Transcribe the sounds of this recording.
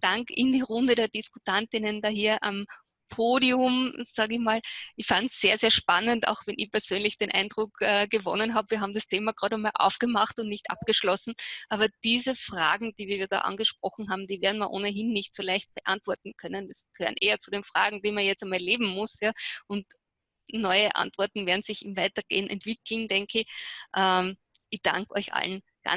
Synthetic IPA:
d̥aŋkɪndiːʁʊndəɾeːɐdɪskʊtʰantɪnəndaːɦiːɐʔa̰m | pʰoːdiʊmz̥aːɡɪçmaːlɪçfantsːeːɐzeːɐʃpanənta̰ʊxvɛnʔɪ̰çpɛɐz̥øːnlɪçd̥eːnʔa̰ɪnd̥ʁʊkʔɛːɡ̥əvɔ̰nənɦaːbəviːɐɦaːbm̩dɐstʰeːmaɡ̥ʁaːɾɛnmaːlʔa̰ʊfɡ̥əmaχtʊntnɪçtʔa̰p̚ɡ̥əʃlɔsn̩ʔaːbɐd̥iːzəfʁ̥a̰ːɡŋ̩d̥iːviːɐviːɐda̰ːʔa̰nɡəʃpʁ̥ɔχn̩ɦaːbm̩d̥iːveɐn̩miːɐʔo̰ːnəɦɪnːɪçtsoːlæɪçt̚b̥əʔa̰ntv̥ɔɐtn̩kʰœnəndɐsɡ̥əhøːənʔeːɐt͡sudeːnfʁ̥a̰ːɡŋ̩d̥iːmɐjɛt͡stamaɐleːbm̩mʊsjaːʔʊnt | nɔʏəʔa̰ntv̥ɔɐtn̩veːɐdn̩z̥ɪçɪmvaɪtɐɡ̥ḛːənɛ̰ntv̥ɪkl̩nd̥ɛŋkəɪʔɛ | ʔɪçd̥a̰ŋkɔ̰ɪçʔa̰ln | ɡ̥a̰

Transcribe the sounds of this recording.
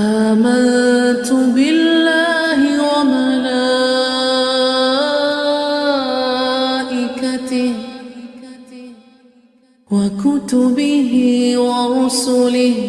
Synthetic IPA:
ʔaːmant̪ʊbɪlːaː | ɦɪwamala | ʔɪkat̪ɪh | wakʊt̪ʊbɪɦɪwaɾʊsʊlɪh

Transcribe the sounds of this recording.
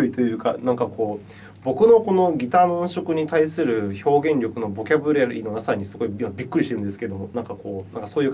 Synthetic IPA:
oit̪o̞jɯ̟ːkanãŋkako̞ː | bo̞kɯ̟no̞ko̞no̞ɡʲit̪aːmõɰ̃ɕo̞kɯ̟ɲ̟it̪aisɨɾɯ̟ço̞ːɡẽ̞ɲɾʲo̞kɯ̟no̞bo̞kʲabɯ̟ɾaɾino̞nasaɲ̟isɨ̥ko̞iimabʲikːɯ̟ɾʲiɕt̪eɾɯ̟nd̪esɨ̥ke̞d̪o̞monãŋkako̞ːnã̰ŋkaso̞ːjɯ̟ː

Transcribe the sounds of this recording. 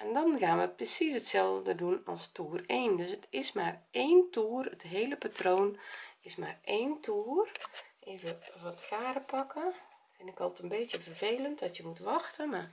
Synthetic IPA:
ʔɛndɔnxaːnʋəprəsisətsɛlˠvdədədunɔlˠstuːreːndøsətʰɪsmaːreːntuːərətɦeːləpatroːnɪsmaːreːntʰuərʔeːvəʋɔtkaːrəpɑkə | ɛnɪkɔlˠətənbeːtjəvərv̥eːləntdɔtjəmutʋɑxtəma

